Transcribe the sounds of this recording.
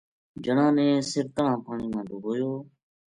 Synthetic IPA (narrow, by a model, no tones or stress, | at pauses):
d͡ʒəɳãːnẽːsɪɾt̪əɳ̤ãːpaːɳiːmãːd̪oːɦoːjoː